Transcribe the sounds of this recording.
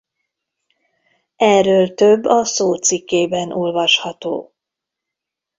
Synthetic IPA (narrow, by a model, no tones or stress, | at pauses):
ɛrːøːlt̪øbːɒsoːt̪sikːeːbɛnʔolvɒʃhɒt̪o̰ː